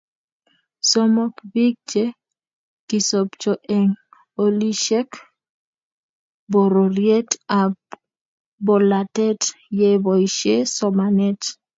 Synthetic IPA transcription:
so˦mɔ˦kbi˦k̚d͡ʒe˦ | ki˨so˨pt͡ʃo˨ʔe˨ŋ | o˦li˦ʃe˦k | bo˨ɾo˨rje˦ta˨ | bo˨la˨tɛ˦tje˦bɔ˨iʃe˦sɔ˨manɛ˦t

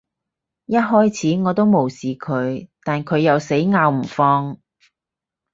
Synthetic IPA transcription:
jɐ˥t̚ɦɔː˥jt͡sʰiː˨˥ŋɔː˨˧t̪o˥wmo˨˩wsiː˨kʰɵ˨˧ɥt̪aː˨nkʰɵ˨˧ɥjɐ˨wse˨˥jŋaː˧wm̩˨˩fɔː˧ŋ

